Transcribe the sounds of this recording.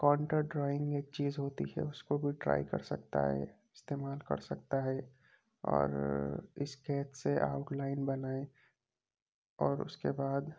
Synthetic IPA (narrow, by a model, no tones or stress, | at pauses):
kɔːɳʈəɖɾɔːɪ̃ŋɡeːk̚t͡ʃiːzɦoːt̪ḭɦɛ̰ʊskobʱiʈɾa̰ːɪkɐ̰ɾsɐ̰k̚t̪a̰ɦɛ̰ɪst̪eːmaːlkɐ̰ɾsɐk̚t̪aɦɛ | ɔ̰ːɾɪskɛːt̪seʔa̰ʊʈlaːɪnbɐnaːe | ɔːɾʊ̰skebaːd̪